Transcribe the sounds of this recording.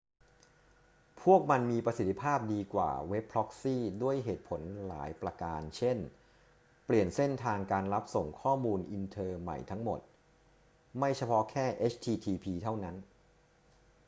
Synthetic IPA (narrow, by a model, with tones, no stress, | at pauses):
pʰu˥˩ək̚ma˧nmiː˧pɾa˧si˨˩t̪ʰːi˦˧˥pʰaː˥˩p̚diː˧kwa̰ː˨˩we˦˥pʰːɾɔ˦˥k̚siː˥˩du˥˩əjɦeː˨˩t̪̚pʰo˩˦nla̰ː˩˦jpɾa˧kaː˧nt͡ɕʰe˥˩n | pli˨˩ənse˥˩nt̪ʰaː˧ŋkaː˧nla˦˥p̚so˨˩ŋkʰɔː˥˩muː˧nʔi˧nt̪ʰɤː˧ma̰˨˩jt̪ʰa˦˥ŋmo̰˨˩t̪̚ | ma˥˩jt͡ɕʰa˧pʰɔ˦˥kʰɛː˥˩ʔe˦˥t͡ɕʰt̪ʰiː˧t̪ʰiː˧pʰiː˧t̪ʰa˥˩wna˦˥n